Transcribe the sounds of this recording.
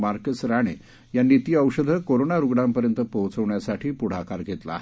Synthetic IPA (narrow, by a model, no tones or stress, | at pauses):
maɾkəsɾaɽ̃ḛ | janːit̪iəʋɕəd̪ʱəkoɾonaɾuɡɽampəɾjənt̪əpəwt͡səʋɳjasaʈʰiːpuɽ̤akaɾɡʱet̪la̰ɦ